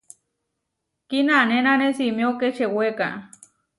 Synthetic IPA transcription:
kinanenanesimioket͡ʃeweka̰

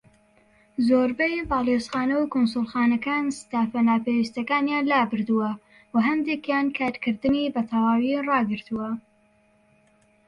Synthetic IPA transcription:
zoɾbejvaːlˠesxɑːnɐwkʰonsʊlˠxɑːnɐkaːnst̪aːfɐnaːpewist̪ɐkaːnjaːnlaːbɨɾd̪uwɐ | wɐɦɐnd̪eːkjaːnkʰaːɾkʰɨɾd̪ɨnibɐt̪ʰɐwaːwirɑːɡɨɾt̪uwɐ

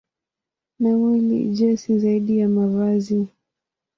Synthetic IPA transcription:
namwilḭʄɛsizaiɗijamavazi

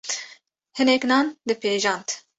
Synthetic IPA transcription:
hɨnɛknɑːnd̪ɨpeːʒɑːnt̪

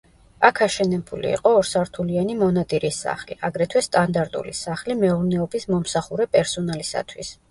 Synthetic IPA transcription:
akʰaʃɛnɛbulḭḭqʼɔːɾsaɾt̪ʰulianimɔnat̪ʼiɾisːa̰χlḭʔaɡɾɛt̪ʰwɛst̪ʼand̪aɾt̪ʼṵlisaχlimɛuɾnɛɔbismɔmsaχuɾɛpʼɛɾsɔnalisa̰t̪ʰwḭs

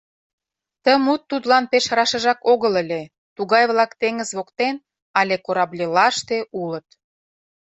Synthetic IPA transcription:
t̪əmut̪ːut̪lɑnpeʃɾɑʃə̆ʒɑkoɣələlʲe | t̪uɣɑjβlɑkt̪eŋə̆zβokt̪en | ɑlʲekoɾɑblʲilɑʃt̪eulə̆t̪

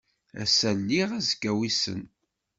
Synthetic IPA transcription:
æ̰sælːiʁæzkːæwisə̰n

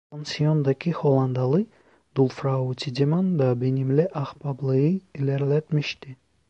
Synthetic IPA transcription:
pansiɔnd̪akʲʰihɔlˠand̪alˠi | d̪ulfɾaut̪ʰid̪emand̪abinimlʲeʔahpablˠɨiilʲeɾlɛt̪miʃt̪i

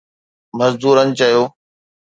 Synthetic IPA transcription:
mɐzd̪uːɾənɪ̆t͡ɕɐjoː

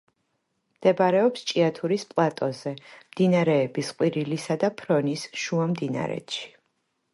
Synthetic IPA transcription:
md̪̥ɛbaɾɛɔpst͡ʃʼiat̪ʰuɾispʼlˠat̪ʼɔzɛmd̪̥inaɾɛːbisqʼwiɾilisad̪apʰɾɔnisʃuamd̪ina̰ɾɛ̰t̪ʃi̥

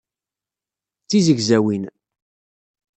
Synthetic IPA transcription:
t͡sːizəɡzæwin

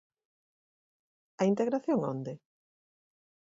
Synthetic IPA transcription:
ɐint̪eɣɾaθjoŋo̰nd̪e

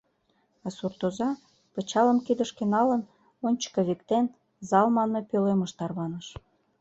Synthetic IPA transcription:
ɑsurt̪ozɑ | pə̆t͡ɕɑlə̆mkid̪əʃkenɑlən | onʲt͡ɕə̥kə̆βikt̪en | zɑlmɑnːɤpøleməʃt̪ɑrβɑnəʃ

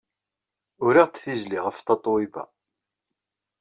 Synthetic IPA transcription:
ʊɾiʁt͡sθizliʁəft̪ɑt̪ˤwibæ̰

